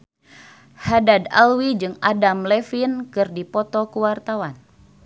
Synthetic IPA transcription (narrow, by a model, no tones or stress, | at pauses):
hadada̰lwid͡ʒɨŋadamlɛfinkɨrdipɔt̪ɔkuwart̪awan